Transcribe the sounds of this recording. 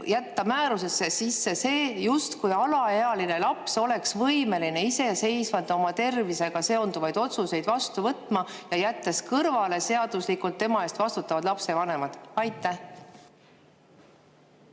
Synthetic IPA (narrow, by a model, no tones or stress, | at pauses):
jæt̪ːɑmæːɾuse̞sːe̞sisːe̞se̞ːjust̪kujɑlɑeɑlinelɑpso̞le̞ksvɤjme̞line̞ise̞se̞jsvɑd̪̥ɑo̞mɑt̪e̞rvise̞ɡ̥ɑse̞o̞nd̪uvɑjd̪̥o̞t̪suse̞jd̪vɑst̪uvɤt̪ːˑmɑjɑjæt̪ːˑeskɤrvɑle̞se̞ɑd̪̥uslikult̪ːe̞mɑe̞ːst̪vɑst̪ut̪ːˑɑvɑd̪lɑpse̞vɑne̞mɑd̪̥ɑjt̪ːˑæh